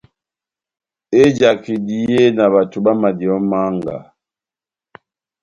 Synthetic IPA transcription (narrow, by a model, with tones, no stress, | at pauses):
e˦d͡ʒa˨ki˨di˨e˦na˨βa˨tu˨ba˦ma˨di˨ɔ˨˦ma˦ŋɡa̰˨